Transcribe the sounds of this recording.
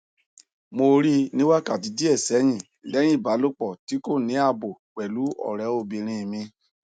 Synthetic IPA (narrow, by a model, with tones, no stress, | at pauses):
mo˧ɾi˦nĩ˦wa˦ka˨ti˨˧˦di˦ɛ˦˨sɛ˨˦j̃ĩ˦˨ | lɛ̃˨˦ĩ˦˨ba˨˦lo˦k͡pɔ˦˨ti˨˦ko˦˨nĩ˨˦a˦˨bo˨k͡pɛ˨lu˨˦ɔ̰˦˨ɾɛ˨˦o˦˧˨bi˧ɾ̃ĩ˧˨mĩ˧